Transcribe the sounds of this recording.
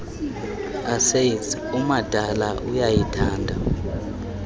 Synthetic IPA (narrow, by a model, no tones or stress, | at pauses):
aseitumad̥ʱalaʔujajitʰaːndʱa